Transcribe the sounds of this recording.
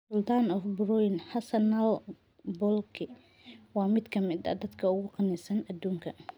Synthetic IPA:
sʊlt̪ʰaːnɔfbɾɔjnhɐsɐnɐl | bɔlkʰɪ | wɑːmɪd̪kʰɐmɪd̪ɐ̰d̪ɐd̪kʰɐʊɣʊqɑnɛsɐnɐd̪uːŋkʰɐ

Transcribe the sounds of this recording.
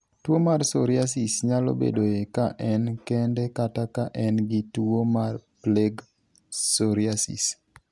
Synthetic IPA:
twomarsoɾjasisɲalo̰bḛdoekaʔɛnkɛndɛkatakaʔɛnɡɪtwomarpleɡ | soɾiasḭs

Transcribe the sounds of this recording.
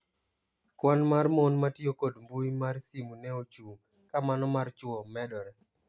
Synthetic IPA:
kwanmarmɔnmatiokodmbuimarsimunɛot͡ʃu | kamanɔmart͡ʃʊɔmɛdɔɾɛ

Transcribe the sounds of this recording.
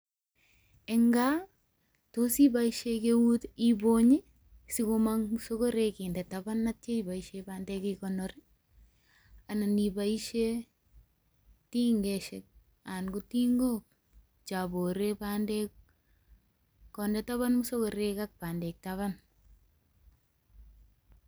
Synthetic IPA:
eŋɡa | tosibaiʃekewutiboɲi | sikomaŋmusokoɾekindɛtabanːat̚t͡ʃeibaiʃebandɛkikɔnɔɾɪ | ananibaiʃe | tiŋɡɛʃɛk̚ | anɡutiŋɡop̚ | t͡ʃaboɾebandɛk | kɔndɛtaβanmusokoɾekak̚pandɛk̚taβan

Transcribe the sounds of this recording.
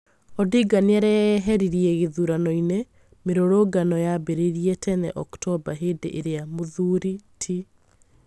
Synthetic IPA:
ɔdiɡaneaɾɛɦɛɾiɾiɛɣeðuɾanɔine | meɾoɾoɡanɔjabeɾeɾiɛtʰɛnɛʔɔktɔbaɦeːdḛʔeɾeamoðuːɾitʰi

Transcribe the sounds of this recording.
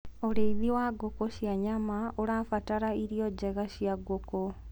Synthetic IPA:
oɾeiðiwaɡokoɕjaɲamaoɾafataɾaiɾijod͡ʒeɣaɕjaɡoko

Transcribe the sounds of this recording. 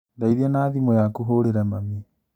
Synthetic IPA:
daiɾanaːðimɔjakuɦoɾeɾɛmami

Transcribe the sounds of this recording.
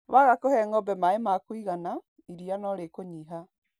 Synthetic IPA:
βaɣakohɛŋɔbɛmaemakwiɣana | iɾijanɔɾekoɲiɦa

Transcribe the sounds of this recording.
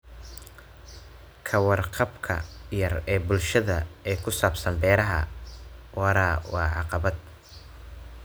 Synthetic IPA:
kʰɐwɑrqɑbkʰɐ̰jɐrɛːbʊlʃɐðɐɛːkʰʊsaːbsɐnbɛːɾɐɦɐ | wɑɾaːwɑːʕɑqɑβɐd̪̚

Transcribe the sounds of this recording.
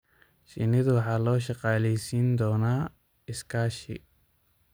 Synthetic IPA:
ʃɪ̰nɪðʊwɑħɑːlɔːʃɑqɑːlɛjsiːnd̪ɔːnaː | ɪskʰaːʃɪ̰

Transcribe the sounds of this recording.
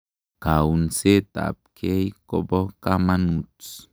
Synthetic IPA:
kaunset̪a̰p̚kʰejkobɔkamanut͡s

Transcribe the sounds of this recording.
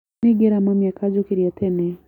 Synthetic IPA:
ɪɡeɾamamjakʰad͡ʒokiɾjatʰɛnɛ

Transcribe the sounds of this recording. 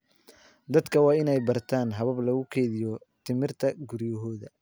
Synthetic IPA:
d̪ɐd̪kʰɐwɑːɪnɛjbɐrt̪ʰaːnɦɐβɐblɐɣʊkʰɛːðɪjɔ | t̪ʰɪmɪrt̪ʰɐɡʊɾjɐɦɔːðɐ

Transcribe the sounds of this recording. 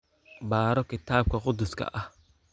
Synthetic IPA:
baːɾɔkɪt̪aːb̚kɐqʊd̪ʊskɐ̰ʔɐ

